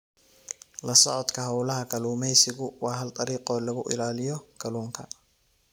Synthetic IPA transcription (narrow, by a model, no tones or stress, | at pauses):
lɐsɔʕɔd̪kʰɐɦɐwlɐɦɐkʰɐluːmɛjsɪɣʊwɑːɦɐld̪ɐɾiːqɔːlɐɣʊʔɪ̰laːlɪjɔkʰɐluːŋkʰɐ